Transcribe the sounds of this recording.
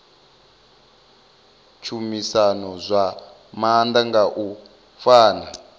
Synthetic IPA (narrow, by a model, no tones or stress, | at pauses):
t͡ʃʰumisanɔzʷa | mand̪aŋɡaʔu | faːna